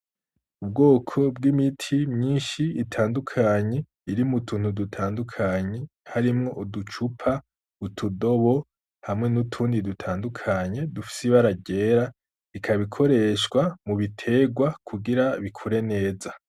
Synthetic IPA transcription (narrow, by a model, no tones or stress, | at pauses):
ub̚ɡo̞ːkʰo̞bɡimitʰimɲiːnʃiːtʰaːndukʰaɲe̞ | iɾimutʰuːn̥hudutʰaːndukʰaɲe̞haɾimŋo̞ʔudut͡ʃupʰa | utʰudo̞βo̞ | hamŋe̞nutʰuːndidutʰaːndukʰaɲe̞dufi̥siβaɾaɟe̞ɾa | ikʰaβikʰo̞ɾe̞ʃɡwamuβitʰe̞ɡwakʰuɡiɾaβikʰuɾe̞ne̞ːza